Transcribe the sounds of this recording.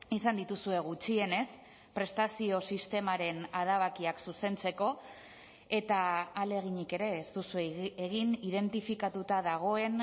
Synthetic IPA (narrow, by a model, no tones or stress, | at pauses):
isand̪it̪usue̞ɣ̞ut͡ʃie̞ne̞s | pɾe̞st̪asio̞sist̪e̞maɾe̞naðaβ̞akiaksuse̞nt͡se̞ko̞ | e̞t̪aːle̞ɣ̞iɲike̞ɾe̞ːst̪usueeɣinið̞e̞nt̪ifikat̪ut̪aðaɣ̞o̞e̞n